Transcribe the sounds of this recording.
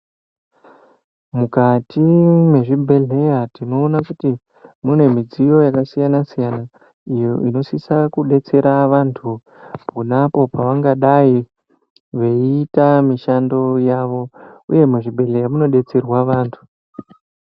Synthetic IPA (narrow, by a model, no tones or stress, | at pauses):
mukatimwe̞ʐibʱe̞ɮe̞jatino̞ːnakuti | mune̞mid͡zijo̞jakasijanasijana | ijoʔino̞sisakuɗe̞t͡se̞ɾaʋantʰu | punapo̞paʋaŋɡaɗai | ʋe̞itamiʃando̞jaʋo̞uje̞meʐibʱe̞ɮe̞jamuno̞ɗe̞t͡se̞rwaʋaːntʰu̥